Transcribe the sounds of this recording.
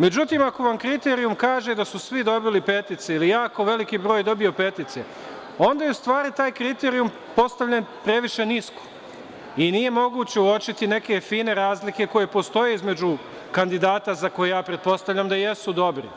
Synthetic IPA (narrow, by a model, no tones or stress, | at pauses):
me̞d͡ʑut̪iːmako̞ʋamkɾit̪e̞ːɾijumkaːʒe̞d̪asusʋid̪o̞bilipe̞t̪it̪seilijaːko̞ʋe̞likiːbɾo̞ːjd̪o̞bio̞pe̞t̪it̪sḛ | o̞nd̪ajeust̪ʋaːɾit̪aːjkɾit̪e̞ːɾijum | po̞st̪aʋʎanpɾe̞ʋiʃe̞nisko̥ | inije̞mo̞ɡuːt͡ɕe̞uo̞t͡ʃit̪ine̞ke̞fiːne̞ɾaːzlike̞ko̞je̞po̞st̪o̞je̞izme̞d͡ʑu | kand̪id̪aːt̪azako̞jejaːpɾet̪̚po̞st̪aʋʎamd̪ajesud̪o̞bɾḭ